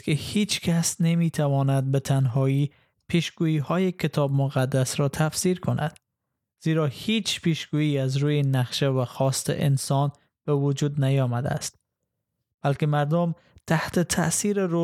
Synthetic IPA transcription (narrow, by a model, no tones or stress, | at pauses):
kʰehiːt͡ʃkʰæsnemiːt̪ʰævɒːnæd̪̚bet̪ʰænɦɒːiː | pʰiʃɡ̥uːjiːhɒːjekʰet̪ʰɒːbmoɣæd̪ːæsɾɒːt̪ʰæfsiːɾkʰonʔæ̰d̪̥ | z̥iːɾɒːhiːt͡ʃʰpiːʃɡ̥uːjiːæzɾuːjenæqʃevæxɒːst̪ḛʔensɒːn | b̥evʊd͡ʒuːd̪næjɒːmæd̪æ̰æ̰st̪̚ | b̥ælkemæɾd̪om | t̪ʰæht̪et̪ʰæ̰siːɾeɾo